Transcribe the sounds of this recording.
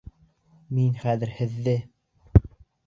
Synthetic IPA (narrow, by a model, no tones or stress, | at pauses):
minχæðɘɾhɘ̆ðːɘ